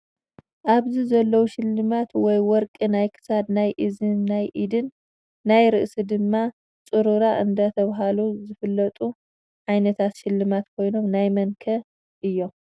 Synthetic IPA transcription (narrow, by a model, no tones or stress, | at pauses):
ʔaβzizɐlːɐwuʃɪlːɨmat̪wɔjwɔɾkʼinajkʰɨ̥sad̪najʔizɨːajʔid̪ɨnː | ajɾɨʔsid̪ɨmːa | t͡sʼɨɾuɾaʔɨnd̪ɐt̪ʰɐβɦaluzɨfɨlːɐt̪ʼu | ʕajnɐt̪ʰat̪ʃɪlːɨmat̪kʰo̞jno̞mnajmɐnkʰɐ | ʔɨjːo̞